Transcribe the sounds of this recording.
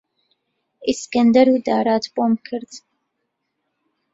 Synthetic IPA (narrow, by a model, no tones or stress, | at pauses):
iskɛnd̪əɾud̪ɑːɾaːt̪ʰpʼɔmkʰəɾd͡z